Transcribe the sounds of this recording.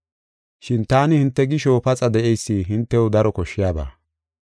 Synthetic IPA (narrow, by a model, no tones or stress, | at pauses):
ʃɪnt̪aːnɪhɪnt̪ːɛɡɪʃopɐt͡sʼɐd̪ɛʔɛjsːiːɦɪnt̪ːɛwʊd̪ɐɾɔkɔʃːɪjaːba̰ː